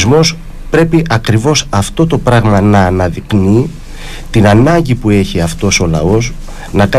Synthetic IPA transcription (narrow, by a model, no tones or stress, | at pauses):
zmo̞s | pɾe̞piʔɐkɾivo̞sɐft̪o̞t̪o̞pɾɐɣmɐnɐːnɐðikni | t̪inɐnɐɲɟipue̞çiɐft̪o̞so̞lɐ̰o̞s | nɐkɐ